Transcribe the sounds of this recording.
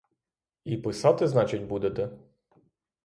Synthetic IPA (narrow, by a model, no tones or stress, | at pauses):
ipɪsɑt̪ɪznɑt͡ʃɪdʲbud̪et̪ɛ